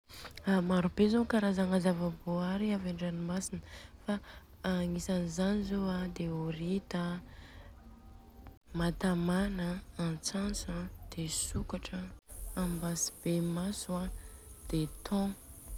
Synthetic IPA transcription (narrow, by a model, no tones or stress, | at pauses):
amaɾubezokaɾazaŋazavaboaɾiavaɳɖ͡ʐanimasinəfa | ŋisanizanizoad̪eoɾit̪ə | mat̪amanə̃ːnt͡sansãd̪̥esukaʈ͡ʂəambasi̥b̥emasuad̪̥et̪ʰɔ̃